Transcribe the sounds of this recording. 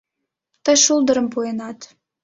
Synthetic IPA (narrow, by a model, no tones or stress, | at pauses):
t̪əjʃulˠd̪ə̆ɾəmpuenɑt̪